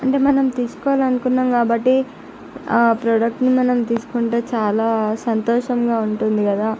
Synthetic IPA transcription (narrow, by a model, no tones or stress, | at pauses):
ɐɳʈeːmɐnɐmt̪iːsu̥kɔʋalɐnukunːaːmkaːbɐʈːi | pɾoːɽɐk̚ʈnimɐnɐmt̪iːsu̥kuɳʈeːt͡ʃaːlaːsɐnt̪ɔːʂɐmɡaːuɳʈund̪ikɐd̪aː